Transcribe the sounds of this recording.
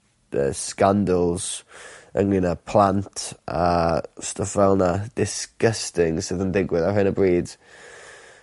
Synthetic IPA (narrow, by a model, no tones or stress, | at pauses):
ə̰skandəlˠz̥ə̰ŋlinapʰlˠantʰa̰stʰəfvɛlˠnad̥ɪskəstɪŋsɪðəndɪɡwɪðahɪnəbriːd̥